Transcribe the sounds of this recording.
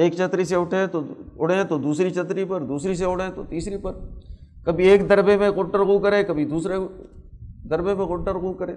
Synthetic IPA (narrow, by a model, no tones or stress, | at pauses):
eːkt͡ʃɐt̪ɾiseʊʈʰẽt̪oʊɽ̤ẽt̪od̪uːsɾit͡ʃɐt̪ɾipɐɾd̪uːsɾis̬eʊɽẽt̪ot̪iːsɾipɐɾ | kɐbʱieːkd̪ɐɾbemẽɣʊʈəɾɣuːkɐɾẽːkɐbʱid̪uːsɾe | d̪ɐɾbemẽɣʊʈəɾɣuːkɐɾẽː